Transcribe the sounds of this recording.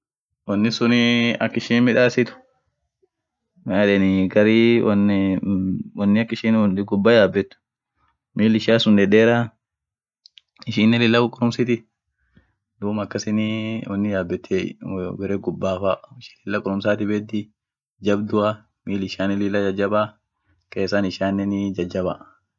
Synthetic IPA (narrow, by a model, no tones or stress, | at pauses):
wɐnːɪsʊnɪɐkːɪʃiːnmɪᶑaːsɪt̪ʊ̥ | maːᶑɛnɪɡɐɾiwn | wɐnːɪɐkːɪʃiːnnɡʊbːaːjaːbːɛt̪ːʊ̥ | miːlɪʃaːsʊnᶑ̪ɛᶑeːɾaː | ɪʃiːnːɛlɪlːɐkʊkʼʊɾʊmsɪt̪ɪ | d̪uːmɐkːɐsɪnɪwɐnːɪjaːbːɛt̪ːebɛɾeːɡʊbːaːfaːɪʃi̥ːlɪlːɐkʼʊɾʊmsaːt̪ɪbeːd̪ɪ | d͡ʒɐbd̪ʊa | miːlɪʃaːnɪlɪlːɐd͡ʒɐd͡ʒːɐba | keːsaːnɪʃaːnːɛnd͡ʒɐd͡ʒːɐba